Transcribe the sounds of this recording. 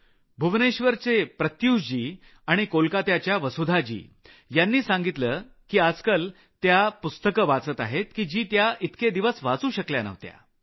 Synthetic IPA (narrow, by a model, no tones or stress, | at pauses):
bʱuʋneɕʋəɾt͡sepɾət̪juːɕd͡ʑiː | aɽ̃ikolkat̪jat͡ɕjaʋəsud̪ʱad͡ʑḭː | janːiːsãŋɡit̪ləː | kiːad͡zkəl | t̪japust̪əkəʋat͡sət̪aɦet̪kiːd͡ʑiːt̪jait̪ked̪iʋəsʋat͡suːɕəkljanə̰ʋt̪ja̰